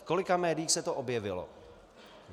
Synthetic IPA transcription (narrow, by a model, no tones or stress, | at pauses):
ko̞lɪkamɛːdɪjːxsɛt̪oʔobjɛvɪlo̰